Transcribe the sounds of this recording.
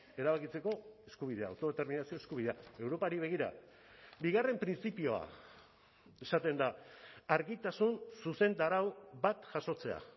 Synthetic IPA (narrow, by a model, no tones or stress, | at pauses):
e̞ɾaβakit͡se̞ko̞e̞skuβ̞iðe̞a̰wt̪o̞ð̞et̪e̞ɾminasio̞eskuβiðe̞ae̞wɾo̞paɾiβe̞ɣ̞iɾa̰ | biɣare̞mpɾint͡sipio̞a̰ | esat̪e̞nd̪aaɾɣit̪asunsuse̞nd̪aɾawβat̪ʝaso̞t͡se̞a̰